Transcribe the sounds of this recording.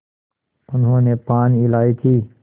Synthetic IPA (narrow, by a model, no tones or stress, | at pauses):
ʊnɦõːnepaːniilaːit̪ʰiː